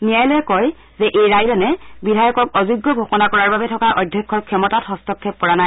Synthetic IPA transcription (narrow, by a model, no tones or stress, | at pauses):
nijajlojɛkɔj | zɛʔejɹajlɔnɛbidʱajɔkɔkɔzuɡːɔɡʱɔxɔnakɔɹaɹbabɛtʰɔkaʔɔjdʱjɔkʰːɔɹkʰːjɔmɔtathɔstɔkʰːɛp̚kɔɹanaj